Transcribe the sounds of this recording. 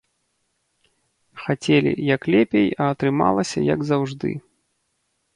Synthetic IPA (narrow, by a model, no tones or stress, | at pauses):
xat͡sʲɛlʲḭjɐklʲɛpʲejɐːt̪ɾɨma̰lˠɐsʲɐjɐɡzawʐd̪ɨ̰